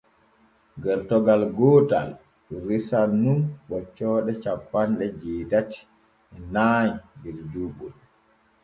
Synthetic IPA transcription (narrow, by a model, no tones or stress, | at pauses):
ɡɛɾtɔɡalɡɔta̰l | ɾisanːunɓɔt͡ʃːɔːɗɛt͡ʃapːanɗɛd͡ʒiːdati̥ | ɛnaːɲdiɾd͡ʒubul